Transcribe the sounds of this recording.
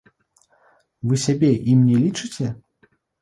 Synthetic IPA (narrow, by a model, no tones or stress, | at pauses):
vɨsʲabʲɛʔimnʲɛlʲit͡ʂɨt͡sʲɛ